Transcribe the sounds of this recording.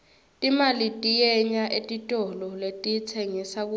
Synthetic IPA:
tʼimalitʼijɛɲaʔetʼitʼɔlɔletʼit͡sʰɛŋisak̬u

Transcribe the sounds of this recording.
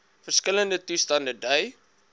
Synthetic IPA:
fərskələndətustɐndədœj

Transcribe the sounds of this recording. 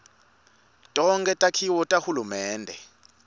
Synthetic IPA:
tʼɔŋkʼɛtʼakʰiwɔtʼahulumɛːndʱɛ

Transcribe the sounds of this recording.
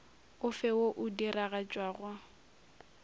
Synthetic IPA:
ʊfɛwoʔʊdiraɣat͡ʃʼwaːɣwa

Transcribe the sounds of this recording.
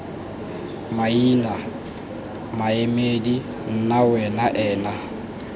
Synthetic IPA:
maiːna | maemedi | n̩nawɛnaʔɛːna

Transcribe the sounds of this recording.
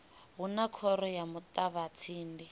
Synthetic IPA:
ɦunakʰɔɾɔjamut̪aβat͡sʰiːndi

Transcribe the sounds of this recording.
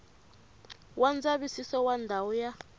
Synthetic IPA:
wʔand͡zaβisisɔwandʱawɔja

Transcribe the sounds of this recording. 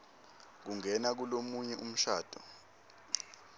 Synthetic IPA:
k̬uŋɛnak̬ulomuɲɛʔum̩ʃaːd̥ʱɔ

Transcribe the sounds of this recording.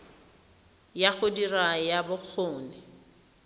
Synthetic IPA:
jaχʊdirajabʊk͡xʰoːnɪ

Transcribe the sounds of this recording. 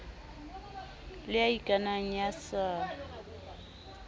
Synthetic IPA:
lɪaikʼanaŋ̩jasaː

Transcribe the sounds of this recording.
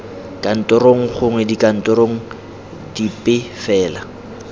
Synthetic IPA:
kʼan̩tʼɔɾoŋ̩χʊŋwɛdikʼan̩tʼɔɾoŋ̩ | dipʼɪfɛːla

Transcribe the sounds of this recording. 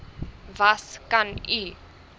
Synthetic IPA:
vaskani

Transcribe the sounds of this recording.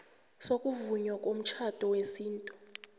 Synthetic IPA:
sokʼuvuɲwakʼom̩t͡ʃʰad̥ʱʼɔwesiːntʼu

